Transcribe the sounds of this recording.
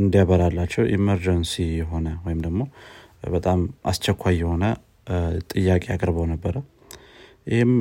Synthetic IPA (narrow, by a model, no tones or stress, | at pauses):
ɨnd̪ijaβəɾalːat͡ʃːɛwʔḭməɾd͡ʒənsijɛɦo̞nəwɔjɪmd̪əɡmo̞ | bət̪ʼamʔa̰st͡ʃːɛkʰʷːajːɛho̞nə | t̪ʼɨjːakʼejakʼɾbəwnəbːəɾə | jɪhem